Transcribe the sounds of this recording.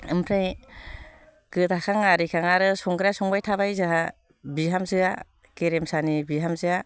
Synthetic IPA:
ɯmpʰɾaj | ɡ̥ɯtʰakʰaŋaɾikʰaŋaɾɯsɔŋɡɯɾasɔŋbajtʰabajzaɦa | biɦamzɯa | keɾemsanibiɦamzɯa

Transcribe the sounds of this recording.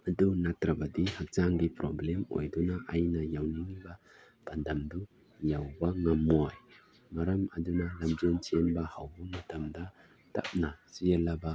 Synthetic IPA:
ɐdunatɾɐbɐdihak̚t͡ʃaŋɡipɾɔblɛmo̰jdunaʔajnajawniŋiba | b̥ɐndɐmdu | jawbaŋɐmoj | mɐɾɐmɐdunalɐmd͡ʒent͡ʃienbahawbumɐtʰɐmda | ta̰p̚nasijəlaba

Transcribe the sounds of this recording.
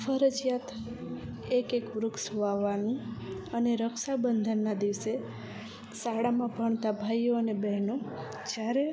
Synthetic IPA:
fəɾəd͡ʒjat̪ | ekekʋɾʊksʋaʋanũəneɾəkʃabənd̪ʱənːad̪iʋse | saɽamãbʱəɳt̪abʱajːoənebɛɦno | d͡ʒjaɾe

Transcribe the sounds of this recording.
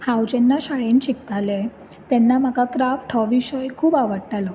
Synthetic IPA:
hawd͡ʑenːaɕaɭenɕikt̪ale | t̪ɛnːamakakɾafʈʰɔʋiɕəjkʰuːbaʋəɽt̪alɔ

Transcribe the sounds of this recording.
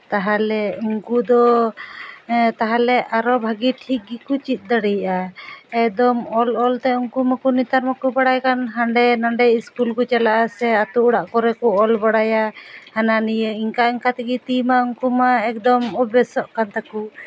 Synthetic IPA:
t̪aɦalɛuŋkud̪ɔ | t̪aɦalɛʔaɾɔbʱaɡiʈʰik̚ɡikut͡ʃit̪̚ˀd̪aɽɛjaʔaɛkd̪ɔmɔlɔlt̪ɛuŋkumakunit̪aɾmakubaɽajkanɦaɳɖɛnaɳɖɛiskulkɔt͡ʃalaʔasɛat̪uuɽaʔkɔɾɛkɔɔlbaɽajahananijəiŋkaiŋkat̪iɡit̪imauŋkumaɛk̚d̪ɔmɔbɛsɔʔkant̪aku

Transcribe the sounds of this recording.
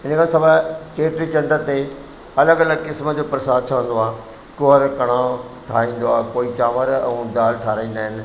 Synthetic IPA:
ɪnəkʰãsɐbʱət͡ɕeːʈɾit͡ɕɐ̃ɳɖət̪e | ɐləɡɐləɡkɪsməd͡ʑoːpɾɐsaːd̪̚t͡ɕʰɐʋə̃n̆d̪oaː | kʊɦəɾkɐɽ̃ãː | ʈʰaːĩːn̆d̪oaːkoːit͡ɕaːməɾɛ̰̃ũd̪aːlʈʰaːɾaĩːnd̪aːɦɪnɪ̆

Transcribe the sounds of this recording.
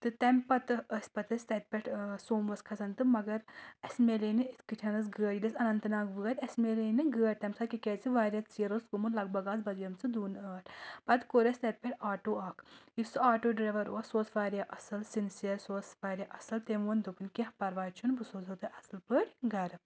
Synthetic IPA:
t̪ɨt̪ɐmʲpɐt̪ɨəsʲpɐt̪ɐsʲt̪ɐt̪̚ʲpʲeʈʰsoːmʋɐskʰɐsɐnt̪ɨmɐɡɐɾɐsmeːlenɨiskɨʈʲʰɐnɨsɡəːɾʲjid̪ʲɐsʲɐnɐnt̪ɨnaːkʋɨːɐt̪ʲɐsmeːleːnɨɡəːɾʲt̪ɐmʲsakiket͡siʋaːɾʲɐt̪t͡siːɾoːskumuɾlɐɡ̚bɐɡaːzbɐzjɐmt͡sɨd̪uːnəːʈʰpɐt̪koːɾʲɐsʲt̪ɐt̪̚ʲpʲeʈʰaːʈoːaːkʰjisɨaːʈoːɖɾɐʋɐɾoːsoːsʋaːɾʲjaʔɐsɨlsinsiɐsoːsʋaːɾʲjaʔɐsɨlt̪emond̪opɨnʲkʲehpɐɾʋaːt͡ʃʰunbɨsoːzoːt̪ɨʔɐsɨlpɨʈʲɡɐɾ

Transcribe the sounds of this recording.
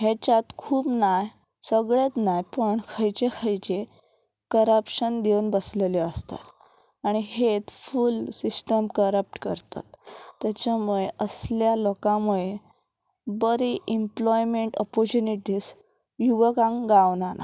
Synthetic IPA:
ɦet͡ɕat̪kʰuːpnaj | səɡɭet̪najpəɳkʰəjt͡ɕekʰəjt͡ɕe | kəɾəpɕənd̪euːnbəsleləst̪a̰t̪ | aɽ̃iɦet̪fulsisʈəmkəɾəp̚ʈkəɾt̪a̰t̪ːjat͡ɕamuɭeʔəsljalɔkãmuɭe | bəɾiʔimplɔjmeɳʈɔ̰pɔɾt͡ɕuniʈiːs | juʋəkãŋɡaʋnana̰

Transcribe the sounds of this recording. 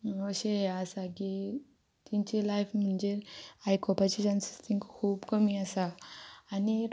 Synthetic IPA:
məʋəɕeɦɛasaki | t̪iɲt͡ɕilajfm̤əɳd͡ʑeɾaikɔpat͡ɕit͡ɕansi̥st̪ʰĩŋkkʰuːbkəmiasaː | ni

